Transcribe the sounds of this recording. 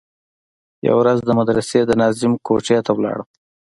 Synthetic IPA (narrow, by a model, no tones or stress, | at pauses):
ja̰wɾazd̪əmad̪ɾased̪ənɑzɪmkoʈ͡ʂjɑt̪awlɑ̰ɽə